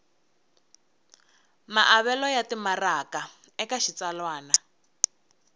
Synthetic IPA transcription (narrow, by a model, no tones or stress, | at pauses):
maʔaβɛlɔjatimaraka | ɛkaʃit͡salwaːna